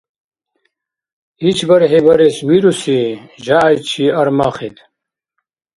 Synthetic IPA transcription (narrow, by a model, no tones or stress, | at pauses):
it͡ɕʰbɐɾɦebɐɾeswiɾusiʑaːjt͡ɕʰiɐɾmaχit̪ʰ